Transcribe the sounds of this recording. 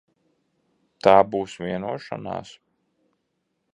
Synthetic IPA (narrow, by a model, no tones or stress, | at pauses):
t̪aːbuːsʋʲiɛnuɔʃa̰na̰ːs